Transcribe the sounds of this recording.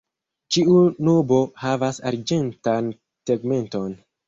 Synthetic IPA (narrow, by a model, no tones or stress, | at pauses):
t͡ʃiunobo̞havasa̰ɾd͡ʒe̞ntan | seɡme̞nto̞n